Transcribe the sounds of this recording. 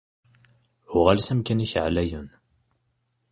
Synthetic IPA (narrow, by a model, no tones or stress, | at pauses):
ʊʁalsæmkæniçʕlæjun